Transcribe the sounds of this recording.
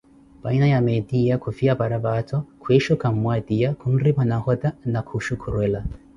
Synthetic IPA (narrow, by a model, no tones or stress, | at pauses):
b̥ainajamɛdiakʰufiabaɾabatʰɔkʰwɛʃɔkam̩mwadijakʰun̩ɾibanahɔdanakʰuʃukʰuɾwɛla